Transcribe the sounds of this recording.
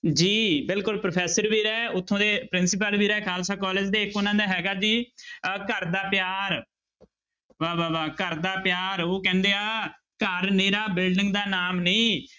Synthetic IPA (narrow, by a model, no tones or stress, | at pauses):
d͡ʒiːbɪlkʊlpɾopʰɛːsəɾbiːɾɛːʊt̪ʰːõːd̪eːpɾɪnsɪp̬əlbiːɾɛːkʰaːlsaːkɔːleːd͡ʒd̪eːɪkːonãːd̪aːɦɛːɡaːd͡ʒiːkəɾd̪aːpjaːɾ | ʋaːaːʋaːkəɾd̪aːpɪjaːɾoːkɛ̃ːnd̪eːaː | kəɾnĩːɾaːbɪlɖɪ̃ŋɡd̪aːnaːmnĩː